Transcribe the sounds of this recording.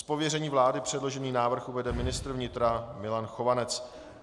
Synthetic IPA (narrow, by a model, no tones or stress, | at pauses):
spo̞vjɛrɛɲiːvlaːdɪpr̝̥ɛdlo̞ʒɛniːnaːvr̩xʔuvɛdɛmɪnɪst̪r̩vɲɪt̪ɾamɪlanxovanɛt͡s